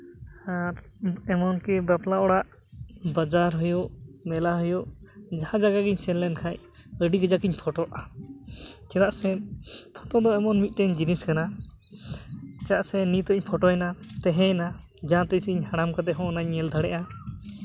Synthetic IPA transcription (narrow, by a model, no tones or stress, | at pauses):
aɾ | ɛmɔnkɛbaplaɔɽaʔ | bad͡ʒaɾɦujuʔmɛlaɦujuʔd͡ʒahãd͡ʒaɡaɡiɲsɛnlɛnkʰaj | əɖiɡəd͡ʒakiɲpʰɔʈɔʔa | t͡ʃɛdaʔsɛpʰɔʈɔd̪ɔɛmɔnmit̪̚ʈɛɲd͡ʒiniskana | t͡ʃaʔsɛnit̪ɔʔiɲpʰɔʈɔɛnat̪ɛɦɛjna | d͡ʒaãt̪ɛsiiɲhaɽ̃amkad̪ɛɦɔ̃ʔnaɲːɛld̪ʱaɽɛʔa